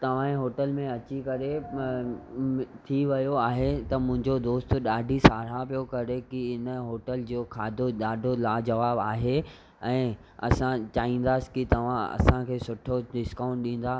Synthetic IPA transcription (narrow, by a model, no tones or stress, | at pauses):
t̪ɐʋ̤ãẽɦoːʈəlmẽɐt͡ɕikɐɾe | t̪ʰiʋɐjoaːɦet̪ɐmʊ̃ɦɪ̃ɲd͡ʑod̪oːst̪ɗaːɖʱisaːɽ̤apijokɐɾekiɪnə̆ɦoːʈəld͡ʑoːkʰaːd̪ʱoɗaːɖʱolaːd͡ʑɐʋaːbaːɦe | ɛ̃ː | ɐ̰sãt͡ɕaːɦĩːn̆d̪aːsɪ̥kit̪ɐʋ̤ãɐ̰sãkʰeːsʊʈʰoɖɪskaːʊ̃ɳʈ̚ɗĩːn̆d̪aː